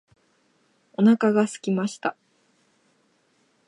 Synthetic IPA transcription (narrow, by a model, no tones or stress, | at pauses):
o̞nakaɡasɨ̥kʲimaɕi̥t̪a